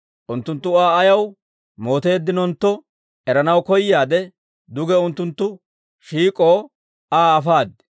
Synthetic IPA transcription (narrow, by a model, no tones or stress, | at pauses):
ʔʊnt̪ːʊnt̪ːʊaːɐjɐw | mo̞ːt̪e̞ːd̪ːɪnɔnt̪ːɔ | ʔɛɾɐnɐwkɔjːaːd̪ɛ | d̪ʊɡɛʊnt̪ːʊnt̪ːʊ | ʃiːkʼoː | aːɐfaːd̪